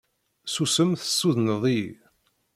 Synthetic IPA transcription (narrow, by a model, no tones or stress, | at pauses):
susəmθə̥sːuðnəðˤi